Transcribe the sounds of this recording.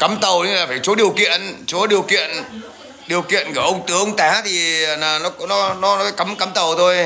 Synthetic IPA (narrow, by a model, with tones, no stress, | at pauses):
kə˨˦mt̪ə˨˩wɗə˧ŋlaː˨˩faː˧˩jt͡ɕo˨˦ɗi˨˩əwkḭ˧˨ənt͡ɕo˨˦ɗi˨˩əwkḭ˧˨ən | ɗi˨˩əwkḭ˧˨ənku˧˩əʔə˧wŋ͡mt̪ɨ˨˦˧ŋ͡mt̪aː˨˦t̪ʰi˨˩˨naː˨˩nɔ˨˦knɔ˨˦nɔ˨˦nɔ˨˦faː˧˦jka˨˦mka˨˦mt̪ə˨˩wt̪ʰo˧j